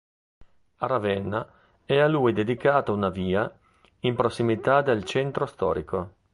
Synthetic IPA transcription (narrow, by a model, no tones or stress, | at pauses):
aɾavɛnːa | ɛalujd̪ed̪ikaːt̪aunaviːa | impɾosːimit̪ad̪elt͡ʃɛnt̪ɾost̪ɔ̰ːɾiko